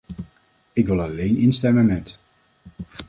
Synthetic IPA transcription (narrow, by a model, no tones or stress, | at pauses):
ɪkʋɪlˠɑlejnɪnstɛmənmɛt